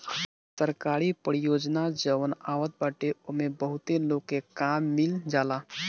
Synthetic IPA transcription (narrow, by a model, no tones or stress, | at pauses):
səɾkaːɾipəɾijoːd͡ʒnad͡ʒəʋənaːʋət̪̚baʈeomẽbəɦʊt̪eloɡekamːild͡ʒaːla